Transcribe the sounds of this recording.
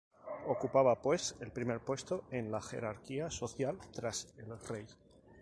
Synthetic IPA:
o̞kupaβ̞apwe̞se̞lpɾime̞ɾpwe̞st̪o̞e̞nlaxe̞̰ɾaɾkiaso̞θjalt̪ɾase̞lre̞j

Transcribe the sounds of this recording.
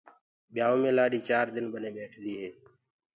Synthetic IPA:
ɓɪjaːoːmẽːlaːɗiːt͡ʃaːɾd̪ɪnbənẽːɓeːʈʰd̪iːɦeː

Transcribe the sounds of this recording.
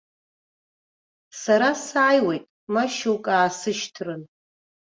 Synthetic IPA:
saɾasaːjwe̞jtʼ | maʃowkʼaːsɨʃtʰrɨn

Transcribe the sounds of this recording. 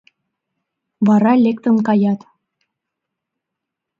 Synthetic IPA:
βɑɾɑlʲek̚t̪ə̆nkɑjɑt̪

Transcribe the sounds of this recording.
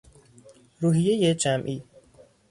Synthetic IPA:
ɾuːɦijejed͡ʒæmʔiː

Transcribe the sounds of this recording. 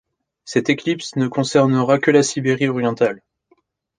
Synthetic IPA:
sɛt̪eklipsnəkɔ̃sɛʁnəʁakʲəlasibeʁiɔʁjɑ̃t̪al

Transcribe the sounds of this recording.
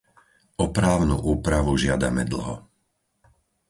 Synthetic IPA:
ɔpɾaːʊnṵʔuːpɾaʋuʒɪad̪a̰mɛd̪l̩ɦɔ̰

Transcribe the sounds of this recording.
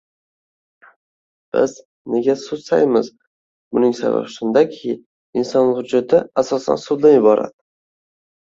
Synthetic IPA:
b̥ɪz | ne̞ɡʲasʊd̪sa̰jmɪz | bʊnɪŋsa̰va̰ʁʃɪnd̪akʲʰɪ | ɪnsɒnhʊd͡ʒat̪ʰɪasɒsa̰nsʊd̪d̪anjɪbɒɾʔa̰d̪ɪ

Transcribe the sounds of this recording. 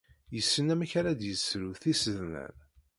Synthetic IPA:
jəsːənæmæçaɾad̪jəsɾuθisəðnæ̰n

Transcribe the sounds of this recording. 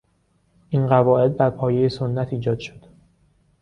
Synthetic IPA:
ʔinɢævɒːʔe̞d̪̚bæɾpʰɒːjejesonːæt̪ʰiːd͡ʒɒːd̪̥ʃo̥d̪̥

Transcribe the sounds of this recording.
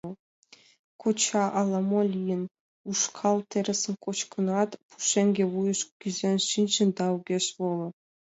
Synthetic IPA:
kʰot͡ɕʰɑʔɑlˠɑmolʲijən | uʂkʰɑlˠt̪ʰeɾesə̆nkʼot͡ɕkʰənɑt̪pʰu̥ʃeŋɡʲewujəʃɡʲyzenʃint͡ɕə̆nd̪ɑwɡʲeʃvolˠə

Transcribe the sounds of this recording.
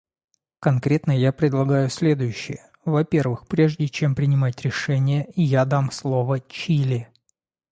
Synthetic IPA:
kɐnkɾʲe̞t̪nəjapɾʲɪd̪lˠɐɡajʊsʲlʲe̞d̪ʊjʉɕːɪ̰jə | vɐpʲe̞rvɨxpɾʲe̞ʐdʲɪt͡ɕe̞mpɾʲɪnʲɪmatʲɾʲɪʂɛnʲɪjəijad̪amslˠo̞vət͡ɕilʲɪ

